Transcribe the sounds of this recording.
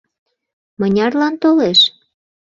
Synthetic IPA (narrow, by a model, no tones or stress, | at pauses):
mənʲɑrlɑnt̪oleʃ